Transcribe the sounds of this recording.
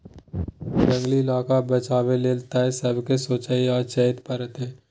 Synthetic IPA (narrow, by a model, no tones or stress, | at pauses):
bɐ̃ŋɡlilaːkabɐt͡ʃaːbeleːlt̪aɦɛsɐbkesoːt͡ʃaːiɔːɾt͡ʃəɦət̪pɐɾət̪ɦɛː